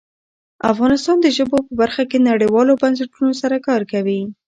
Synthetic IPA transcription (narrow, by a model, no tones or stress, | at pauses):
a̰fɣɑnɪst̪ɑnd̪əʒəbopəbaɾxakenaɽəjwɑlobans̬ɪʈunosaɾakɑɾkawi